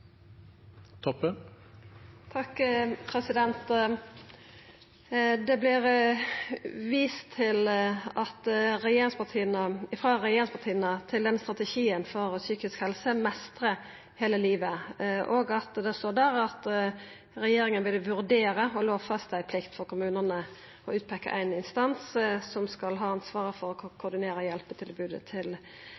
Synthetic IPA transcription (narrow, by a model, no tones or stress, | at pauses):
t̪ʰɔpːə | t̪ʰɑkpʰɾɛsɪd̪ɛnt̪ | d̪ɛblɪʁ | ʋiːst̪ʰːɪlɑt̪ɾɛjeːɾɪŋspɑʁt̪ʰiːənəɪfʁɑːɾɛjeːɾɪŋspɑʁt̪ʰiːənət̪ʰɪld̪ɛnst̪ɾɑt̪ɛʃiːənfɔʁɔsyːkɪskhɛlsəmɛst̪ʁə | heːləliːʋəʔoːɡɑt̪d̪ɛst̪oːʁd̪æʁɑt̪ | ʁɛjeːɾɪŋənʋɪlːəʋʉɾd̪eːɾəɔloːʋfɑst̪sæɪpʰlɪkt̪fɔʁkʰʊmʉːnənə | ɔʉːt̪̚pʰɛkːə̰ʔæɪnɪnst̪ɑnssɔmskɑlɦɑːɑnsʋɑːʁəfɔɾɔkʰʊʁd̪ɪneːɾəjɛlpət̪ʰɪlbʉːd̪ət̪ʰɪl